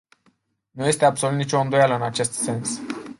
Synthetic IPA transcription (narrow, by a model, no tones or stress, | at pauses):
nuje̞st̪eabsolut̪nit͡ʃoɨnd̪ojaləɨnat͡ʃe̞st̪se̞ns